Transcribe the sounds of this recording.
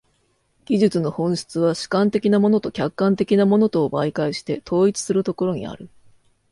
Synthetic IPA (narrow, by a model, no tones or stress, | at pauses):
ɡ̥ʲiʑɨt͡sɨno̞hõ̞ɰ̃ɕi̥t͡sɨβ̞aɕi̥kãnt̪e̞kʲinamo̞no̞t̪o̞kʲakːãnt̪e̞kʲinamo̞no̞t̪o̞ːbaikaiɕi̥t̪e̞t̪ʰo̞ːit͡sɨ̥sɨɾɯ̟t̪o̞ko̞ɾo̞ɲ̟ḭa̰ɾɯ̟